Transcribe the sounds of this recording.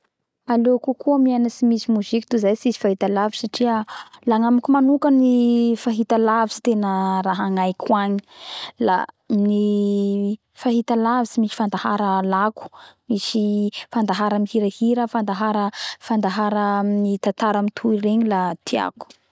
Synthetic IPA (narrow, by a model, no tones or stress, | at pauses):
alokukʰuamianəsimisimuzikit̪uzajsizi̥faɦit̪alavisaʈ͡ʂiəlaŋamakumanukənifaɦit̪alavisi̥t̪enəraɦaŋajkʰwaɲi̥la̰ | ni | faɦit̪alavisimisi̥fand̪aha̰ɾəlaku̥misifand̪aɦaɾamihiɾəhiɾəfand̪aɦaɾəfand̪aɦaɾənit̪at̪aɾamit̪ʰuireɲilat̪ʰia̰ku̥